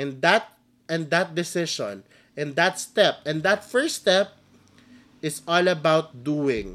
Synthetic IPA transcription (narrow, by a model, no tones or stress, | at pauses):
ɛ̃nd̪at̪̚ | ɛ̃nd̪at̪̚d̪ɪsɪʃɔ̰̃n | ʔɛ̃nd̪at̪st̪ɛp̚ɛ̃nd̪at̪fɛɹst̪ɛp̚ | ɪsɔlɐbawt̪̚d̪uɪ̃ŋ